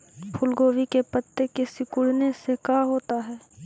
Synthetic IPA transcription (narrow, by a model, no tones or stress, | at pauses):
pʰʊlɡoːʋikepət̪ːekesɪkʊɽnesekaɦoːt̪aɦɛː